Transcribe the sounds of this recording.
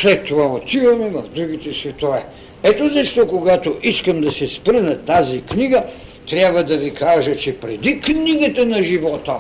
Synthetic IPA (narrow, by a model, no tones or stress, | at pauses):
slɛt̪ːovaot̪ivɐmɛvɐvd̪ɾuɡ̟it̪ɛsvɛt̪ovɛ | ɛt̪ozɐʃt̪ɔkoɡat̪oʔiskɐmd̪ɐsɛspɾnɐt̪azikniɡɐ | t̪ɾʲabvɐd̪ɐvikʰaʒɐt͡ʃɛpɾɛd̪ikniɡɐt̪ɐnɐʒivɔt̪ə